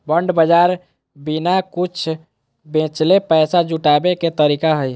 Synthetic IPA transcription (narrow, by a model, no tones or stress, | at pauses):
bəɳɖbəd͡ʒaɾ | binakut͡ʃʰ | bẽt͡ʃlepəjsad͡ʒuʈabeket̪əɾikaɦəj